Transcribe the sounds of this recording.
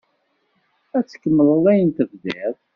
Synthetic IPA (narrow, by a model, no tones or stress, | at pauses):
æt͡sːə̥kːəmːələðˤæjənt̪əvðæð